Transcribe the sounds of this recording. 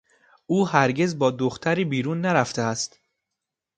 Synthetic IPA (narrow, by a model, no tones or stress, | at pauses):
ʔuːɦæɾɟe̞zbɒːd̪oxt̪ʰæɾiːbiːɾuːnːæɾæft̪ʰeæst̪